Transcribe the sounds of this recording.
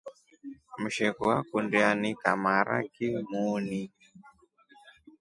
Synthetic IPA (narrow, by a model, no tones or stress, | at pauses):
m̩ʃɛkuakundianika̰maɾa̰kimuːni